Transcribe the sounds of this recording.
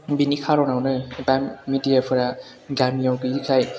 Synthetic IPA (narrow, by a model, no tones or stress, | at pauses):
binikʰaɾɔnawnɯebamidijapʰɯɾa | ɡamijawkɯjikʰaj